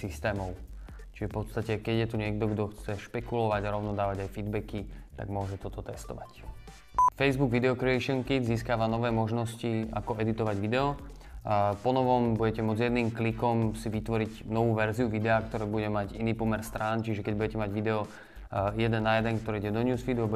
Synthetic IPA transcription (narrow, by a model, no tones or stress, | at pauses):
sist̪ɛːmɔʊ | t͡ʃiʒɛfpɔt̪st̪acɛkɛɟjɛt̪uɲɪɛɡ̚d̪ɔɡd̪ɔxt͡sɛʃpɛkulɔʋaɟaɾɔʊnɔd̪aːʋaɟajfid̪bɛkit̪a̰ɡmʊɔʒɛt̪ɔt̪ɔt̪ɛst̪ɔʋa̰c | fɛjzbuɡʋid̪ɛɔkɾɛɛʃɔŋkiziːskaːʋanɔʋɛːmɔʒnɔscia̰kɔʔɛd̪it̪ɔʋaɟʋid̪ɛɔ | pɔnɔʋɔmbuɟɛcɛmʊɔd͡zjɛd̪niːmklikɔmsiʋit̪ʋɔɾiɟnɔʋuːʋɛɾziuʋid̪ɛaːkt̪ɔɾɛːbuɟɛmaɟiniːpɔmɛɾst̪ɾaːnt͡ʃiʒɛkɛɟbuɟɛcɛmaɟʋid̪ɛɔ | jɛd̪ɛnːajɛd̪ɛnk̚t̪ɔɾɛːiɟɛd̪ɔɲuːsfid̪uab